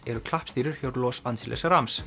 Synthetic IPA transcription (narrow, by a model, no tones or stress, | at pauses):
ɛɾʏkʰlahpst̪iːɾɪɾ̥çjowɾlɔːsanʰilɛ̰saɾams